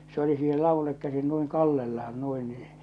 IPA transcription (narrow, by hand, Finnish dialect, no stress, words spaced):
se oli siːhel lɑʋulːek kæsin nuiŋ kɑlːelːɑhɑn nuin niː